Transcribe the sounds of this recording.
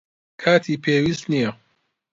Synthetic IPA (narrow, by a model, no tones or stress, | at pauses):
kʰaːt̪ʰiːpʰeːwiːst̪nijɐ